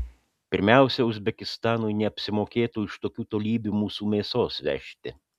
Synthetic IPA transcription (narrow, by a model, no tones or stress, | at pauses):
pʲɪɾʲmʲɛˑʊsʲɛʊzʲbʲɛkʲɪst̪ɑːnʊjnʲɛɐpʲsʲɪmoːkʲeːt̪uːɪʃt̪oːkʲuːt̪oːlʲiːbʲumuːsuːmʲeːsoːsʋʲɛ̰ʃʲt̪ʲɪ